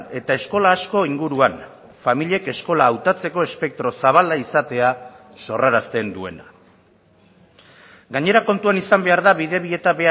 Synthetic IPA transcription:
e̞t̪ae̞sko̞laːsko̞iŋɡuɾuan | famiʎie̞ke̞sko̞laːwt̪at͡se̞ko̞e̞spe̞k̚t̪ɾo̞saβ̞alaisat̪e̞a | so̞raɾast̪e̞nd̪ue̞̰na | ɡaɲe̞ɾako̞nt̪uanisambe̞aɾðaβiðe̞βie̞t̪aβe̞

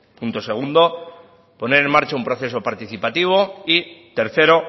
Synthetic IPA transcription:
punt̪o̞se̞ɣ̞und̪o̞ | po̞ne̞ɾe̞nmaɾt͡ʃaumpɾo̞θe̞so̞paɾt̪iθipat̪iβ̞o̞it̪e̞ɾθe̞ɾo̞

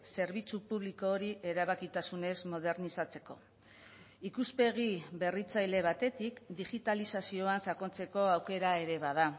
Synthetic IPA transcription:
se̞ɾβit͡supuβliko̞ːɾiʔe̞ɾaβakit̪asune̞zmo̞ð̞e̞ɾnisat͡se̞̥ko̞̰ | ikuspe̞ɣibe̞rit͡sajle̞β̞at̪e̞t̪ikd̪iɣit̪alisasio̞ansako̞nt͡se̞ko̞awke̞ɾae̞ɾe̞βað̞a

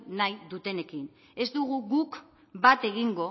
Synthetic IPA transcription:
najðut̪e̞ne̞kin | e̞zd̪uɣ̞uɣuk | bat̪e̞ɣ̞iŋɡo̞

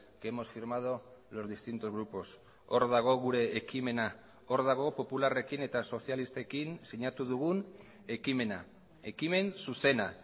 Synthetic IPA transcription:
keemo̞sfiɾmað̞olo̞zðist̪int̪o̞zɣɾupo̞s | o̞ɾðaɣ̞o̞ɣuɾe̞ːkime̞na | o̞ɾðaɣ̞o̞po̞pulare̞kine̞t̪aso̞sialist̪ekinsiɲat̪uðuɣun | ekimena | e̞kime̞nsuse̞na

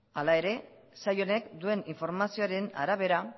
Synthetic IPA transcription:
alae̞ɾe̞ | sajo̞ne̞kd̪ue̞niɱfo̞ɾmasio̞aɾena̰ɾaβ̞e̞ɾa

